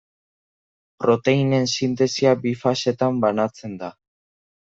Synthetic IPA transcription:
pɾo̞t̪e̞ine̞nsint̪̬e̞siabifase̞t̪ambanat͡se̞nd̪a

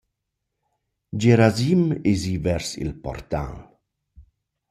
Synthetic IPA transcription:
d͡ʒeɾazimezivɛɾsḭlpɔ̰rt̪ã̰n

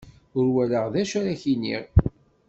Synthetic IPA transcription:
ʊɾwæləʁðæʃæɾæçinḭʁ

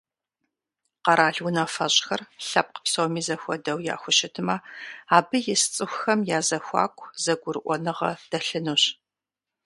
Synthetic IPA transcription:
qɐɾaːɮwʊnɐfɐɕʼxɐrɬɐp̚qə̥psowmiːzɐxʷɔdɐwja̰ːxʷʊɕɪtʰɨmɐaːbɨjɪst͡sʼɨxʷxɐmjaːzɐxʷɑ̰ːkʷʼʰzɐɡʷʊɾɨʔʷɔnɨʁɐ̰d̥ɐɬɨnuɕ

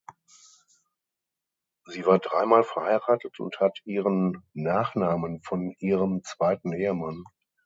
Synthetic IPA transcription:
ziːvaːɐdʁaɪmaːlfɛɐhaɪʁaːtətʰʊ̰nthatʰʔiːʁənːaːχnaːmənfɔnʔiːʁəmt͡sv̥aɪtn̩ʔeːəman

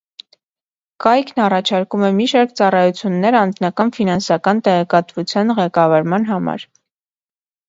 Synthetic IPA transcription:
kɑjkʰnɑrɑt͡ʃʰɑɾkumɛmiʃɑɾkt͡sɑrɑjut͡sʰjunːɛɾɑnd͡znɑkɑnfinɑnsɑkɑnt̪ɛʁɛkɑt̪vut͡sʰjɑnʁɛkɑvɑɾmɑnɦɑmɑ̰ɾ

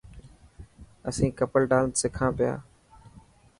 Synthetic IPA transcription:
əsĩːkəpəlɖaːlsɪkʰãːpɪja̰ː

